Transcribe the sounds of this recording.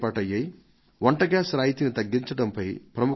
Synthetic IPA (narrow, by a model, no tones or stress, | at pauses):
paːʈɐjːɐj | ʋɐɳʈɐɡaːsɾaːjit̪init̪ɐɡːiɲt͡ʃɐɽɐmpɐjpɾɐmu